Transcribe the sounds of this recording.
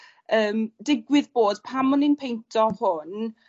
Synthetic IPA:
əːmdɪɡwɪðboːd̥pʰamɔnɪnpʰejntʰɔhʊn

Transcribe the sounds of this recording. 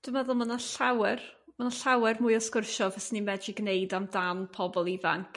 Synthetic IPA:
d̥umɛðʊlˠmənaɬawɛrmanaɬawɛrmʊjɔskɪrʃɔvɛsnimɛd͡ʒiɡnejdamdanpʰɔbɔlˠiva̰ŋkʰ

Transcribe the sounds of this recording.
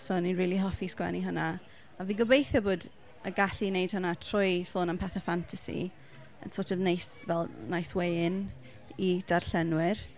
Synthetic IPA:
soːninriːlˠiɦɔfiskwɛ̰niɦəna | aviːɡəbejθjɔboːd | əɡaɬinejd̥hənatʰrʊjsoːnəmpʰɛθəfantʰasḭ | ə̰nsotɔvnejsvɛlˠnajswen | id̥arɬɛnwɪr

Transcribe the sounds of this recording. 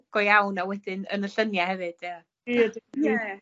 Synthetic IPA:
ɡ̥ɔjawnawɛdɪnə̰nəɬənjahɛvɨd̥ia

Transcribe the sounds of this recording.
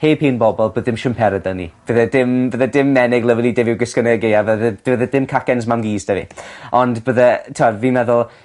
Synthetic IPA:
hejpʰeːnbɔbɔlˠboːðɪmʃəmpʰɛɾədənḭb̥əðədɪmbəðədɪmːɛnɪɡlˠəvɪlˠidɪvɪwɡəskənəɡɪavəðədəðədɪmkʰakɛnzmamɡiːsd̥əvḭɔndbəðətʰadviːnɛðʊlˠ

